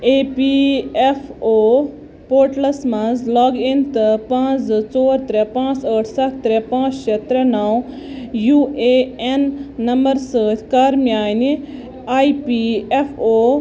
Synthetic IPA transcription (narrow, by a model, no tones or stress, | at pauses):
eːpiefʰoː | poːʈlɐsmãzlɔːɡint̪ɨpãːt͡st͡soːɾt̪ɾɛpãːt͡səːʈʰsɐʈʰt̪ɾɛpãːt͡sʃet̪ɾɛnaw | jueenːɐmbəɾsəːt̪ʲʰkaːɾmijaːni | aːipiefʰoː